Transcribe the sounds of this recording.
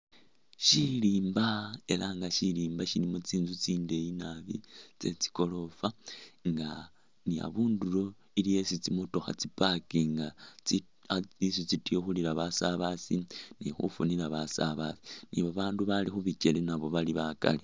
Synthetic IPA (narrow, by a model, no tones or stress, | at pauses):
ʃiliːmbae̞laŋɡaʃiliːmbaʃilimot͡siːnzut͡siːnde̞jinaβit͡se̞t͡si̥ko̞lo̞faŋɡa | nia̰βuːndulo̞ | iliesit͡simoto̞xa̰t͡sipakiŋɡa | isit͡sitioxuliɾaβasaβasinixṵfunilaβasa̰βa̰si̥nḭβaβaːnduβalixuβit͡ʃe̞lenaβo̞βaliβaka̰li